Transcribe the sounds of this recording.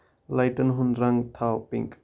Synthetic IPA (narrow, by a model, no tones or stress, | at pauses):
lajʈənɦʊnrɐŋt̪ʰawpɪ̰ŋk